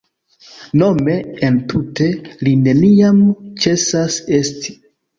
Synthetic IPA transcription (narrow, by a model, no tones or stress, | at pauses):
no̞me̞ːntʰute̞line̞niamt͡ʃe̞sase̞sti̥